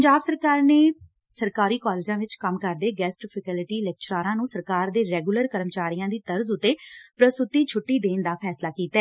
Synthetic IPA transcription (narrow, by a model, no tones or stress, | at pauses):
pəɲd͡ʒaːbsəɾkaːɾneː | səɾkaːɾiːkɔːleːd͡ʒãːʋɪt͡ʃkəmkəɾd̪eːɡɛːsʈpʰəkɛːlɪʈiːlɛk̚t͡ʃɾaːɾãːnũːsəɾkaːɾd̪eːɾɛːɡuləɾkəɾəmt͡ʃaːɾijãːd̪iːt̪əɾzʊt̪ːeːpɾəst̪ʊt̪iːt͡ʃʰʊʈːiːd̪eːnd̪aːpʰɛːslaːkiːt̪aɛː